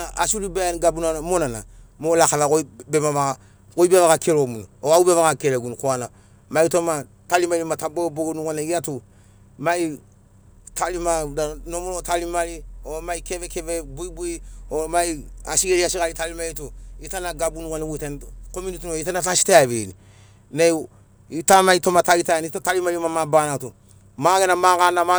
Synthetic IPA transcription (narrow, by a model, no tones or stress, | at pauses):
aʔa̰sulibanɡabunamonana̰molakaβakobemama | koibeβakakʰeɾomunuoaubeβakakeleɡunukoana | maitoma | talimalimataboboɡnukaneɡiatu | mai | tʰalimadanomolotalimaliɔmaikebɛkevɛbuibuiɔmaia̰siɡeɾiasikalitalimaituitanaɡabunukanawuitenkomunitinoitanatasi̥tajaβḛni | nai | itamaitomatalitanitatalimalimamabanatu | makɛnamakanama